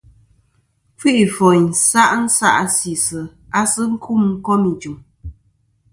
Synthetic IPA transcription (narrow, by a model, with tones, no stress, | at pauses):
fi˦ʔfɔ˨ɲ˨n̩˨sa˦ʔn̩˦sa̰˦ʔsi˨sɨ˨ | a˦sɨ˦ŋ̩˦kʰu˦˨mŋ̩˦kɔ˦ni˨d͡ʒu˨m